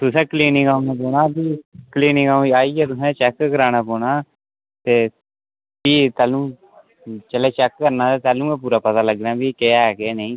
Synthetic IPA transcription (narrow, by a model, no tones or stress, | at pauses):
t̪ʊsɛ̃ːkliːnĩŋɡaːnɛ̃ːpoːɳaːbiːkliːnɪ̃ŋɡaːiːaːiːeːt̪ʊsɛ̃ːt͡ʃɛːkkəɾaːñaːpɔːɽaː | t̪eː | biːt̪ɛːlũː | t͡ʃəleːt͡ʃɛːkːəɾnãːt̪eːt̪ɛːlũːmɛ̃ːpuːɾaːpət̪aːləɡɾaːbiːkeːɛːkeːneĩː